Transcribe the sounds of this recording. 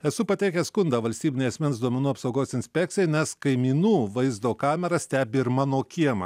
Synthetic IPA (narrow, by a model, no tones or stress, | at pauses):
ɛsʊpɐt̪ʲɛɪkʲɛskʊnd̪ɑːʋɐlʲsʲt̪ʲiːbʲɪnʲɛɪɐsʲmʲɛnsd̪uɔmʲɛnuːɐpsɐʊɡoːsɪnʲsʲpʲɛk̚t̪ʲɪjɛɪnʲɛskɐɪmʲiːnuːʋɐɪzd̪oːkɑːmʲɛɾɐsʲt̪ʲæːbʲɪɪɾmɑːnoːkʲiɛmɐ̰